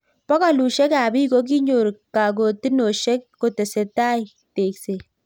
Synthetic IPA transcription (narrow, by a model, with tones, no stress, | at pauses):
pɔ˦kɔ˦lu˨ʃɛ˦kaː˨bi˦ɡo˦k̬i˦ɲo˨ɾka˨ɡ̬o˨tɪ˦no˨ʃɛ˦kːo˨tɛ˨se˨taː˦j | teː˨kse˨